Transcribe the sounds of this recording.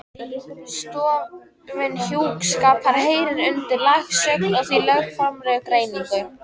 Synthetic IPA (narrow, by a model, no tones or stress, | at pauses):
st̪ɔː | vɪnhjuːkskaːphaɾ̥heːjɾɪɾʏnt̪ɪɾlaxsœknɔɣθvilœfɾamɾɛkɾeːjniŋkʏ